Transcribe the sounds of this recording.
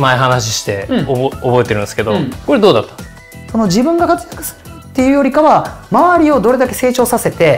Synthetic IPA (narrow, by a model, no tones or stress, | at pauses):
maeɦanaɕ̬i̥ɕi̥t̪e̞obo̞e̞t̪eɾɯ̟nd̪eske̞d̪okoɾe̞d̪o̞ːd̪at̪ːḁn | so̞no̞d͡ʑibɯ̟̃ŋɡakat͡sɨ̥jakɯ̟̥sɨ̥ɾɯ̥kat̪ːe̞jɯ̟ːjo̞ɾʲikaβamaβaɾʲio̞d̪o̞ɾe̞d̪ake̞se̞ːt͡ɕo̞ːsase̞t̪e̞